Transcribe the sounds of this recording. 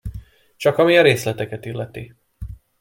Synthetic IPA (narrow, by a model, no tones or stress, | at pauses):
t͡ʃɒkɒmiɒɾeːslɛt̪ɛkɛt̪ilːɛt̪i